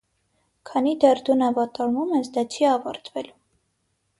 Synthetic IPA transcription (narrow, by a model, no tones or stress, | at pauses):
kʰɑnid̪ɛrd̪unɑvɑt̪ɔɾmumɛsd̪ɑt͡ʃʰiɑvɑɾt̪ʰvɛlu